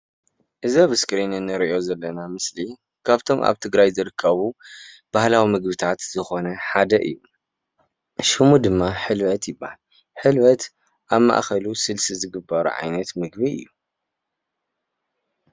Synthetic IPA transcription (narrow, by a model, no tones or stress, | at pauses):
ʔɨzɐβɨskɾinɨnːɨɾiʔo̞zɐlːɐnamɨsli | kʰaβt̪ʰo̞mʔa̰βt̪ʰɨɡɾajzɨɾɨkʰːɐβu | b̥ahlawimɨɡ̚bɨt̪ʰat̪z̥ɨxo̞nɐħad̪ɐʔɨ̰jːu | ʃɨmud̪ɨmːaħɨlbɐt̪jɪbːahal | ħɨlwɐt̪ | ʔaβma̰ʔxɐlusɨlsizɨɡɨbːɐɾṵʕa̰jnɐt̪mɨɡ̚biɨ̰jːu